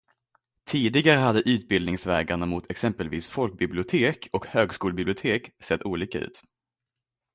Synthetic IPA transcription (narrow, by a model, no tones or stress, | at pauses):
t̪ʰiːd̪ɪɡaɾəɦad̪ːəʔʉ̟ːt̪̚bɪld̪nɪŋsvɛːɡanamʊt̪ʰɛksɛmpəlviːsfɔlk̚bɪblɪʊt̪ʰeːkʰɔkhøːɡskuːlbɪblɪʊt̪ʰeːksɛt̪ːuːliːkaʉ̟̰ːt̪